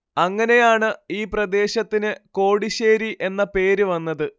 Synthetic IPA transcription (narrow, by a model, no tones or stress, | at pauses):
ɐŋːɐne̞jaːɳɨiːprɐd̪e̞ːɕɐt̪ːinɨko̞ːɽiɕeːɾiʔe̞nːɐpe̞ːɾuʋɐnːɐðɨ